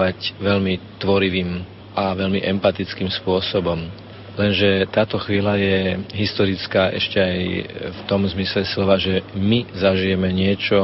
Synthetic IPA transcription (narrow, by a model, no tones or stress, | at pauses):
acʋɛʎmit̪ʋɔɾiʋiːm | ʔaʋɛʎmiʔɛmpat̪it͡skiːmspʊɔsɔbɔm | lɛnʒɛt̪aːt̪ɔxʋiːlajɛɦist̪ɔɾit͡skaːʔɛʃcɛajft̪ɔmzmislɛslɔʋaʒɛmizaʒijɛmɛɲɪɛt͡ʃɔ